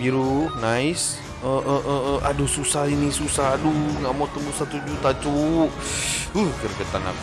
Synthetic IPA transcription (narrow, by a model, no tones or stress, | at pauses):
biɾunais | əʔəʔəʔəa̰dususainisusaaduŋamot̪əmbusat̪ud͡ʒut̪at͡ʃu | uhkərkat̪ana̰